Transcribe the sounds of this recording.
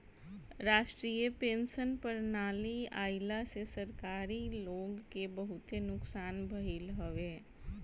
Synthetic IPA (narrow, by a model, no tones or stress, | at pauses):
ɾaːʃʈɾiːjəpẽːnsənpəɾnaːlia̰ːɪlasesəɾkaːɾiloːɡkebəɦʊt̪enʊksaːnbʱəɦilɦoʋeː